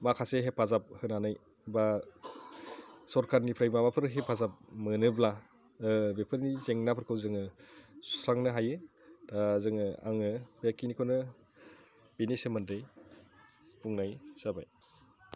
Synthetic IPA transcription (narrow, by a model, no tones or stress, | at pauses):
makʰaseɦepʰːazap̚hɯnanaj | ba | sɔɾkʰaɾnipʰɾajmamapʰɯɾɦepʰːazap̚mɯnɯbla | ɯbepʰɯɾnizeŋnapʰɯɾkʰɯwzɯŋɯsu̥sʰɾaŋnɯɦajɯ | tazɯŋɯa̰ŋɯbekinikʰonɯ | binisemɯndɯj | puŋnajz̥abaj